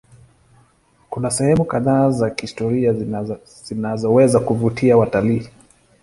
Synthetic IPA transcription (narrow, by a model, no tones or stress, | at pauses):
kunasɛhɛmukaðaːzakihistɔɾia | zinazɔwɛzakuvutʰiawataliː